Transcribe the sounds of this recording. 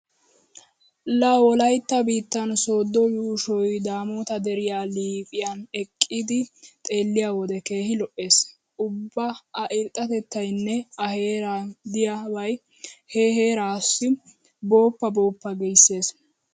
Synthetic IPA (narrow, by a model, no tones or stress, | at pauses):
lɐwɔlɐjt̪ːɐbiːt̪ːɐnsoːd̪ːɔjuːʃɔjd̪aːmoːt̪ɐd̪ɛɾɪjaːliːpʼɪjɐnɛkʼːɪd̪ɪt̪ʼe̞ːlːɪjawɔd̪ɛke̞ːhɪlɔʔe̞ːs | ʔʊbːɐɐʔɪlt̪ʼːɐt̪ɛt̪ːɐjnːɛɐhe̞ːɾad̪ɪjabɐj | heːheːɾaːsːɪ | bo̞ːpːɐboːpːɐɡɛjsːe̞ːs